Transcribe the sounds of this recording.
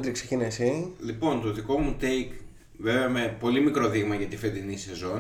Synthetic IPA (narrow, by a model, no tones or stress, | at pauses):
t̪ɾiksecinesilipo̞nt̪o̞ðiko̞mut̪ejk | ve̞veɐmepo̞limikɾo̞ðiɣmɐʝɐt̪ifed̪inise̞zo̞n